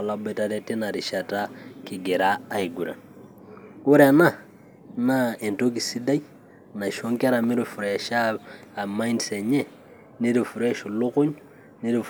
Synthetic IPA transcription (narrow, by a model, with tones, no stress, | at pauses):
a˨la˨bɛ˨ta˦ɾɛ˦ti˦na˨ɾi˨ʃa˨ta˦ki˨ɡɛ˨ɾaː˦˨i˨ɡu˨ɾa̰˨n | u˦ɾa˨na˦˨ | na˦ɛ˨nto˦k̬i˨si˦da˦i˦ | na˨ʃo˦ŋkɛ˦ɾa˨mi˦ɾifu˨ɾʃa˦a˨ma˦indsɛ˨ɲɛ˦˨ | ni˦ɾi˨fu˨ɾɛ˦ʃu˨lʊ˦kʊ˦ɲʊ | ni˦ɾi˦f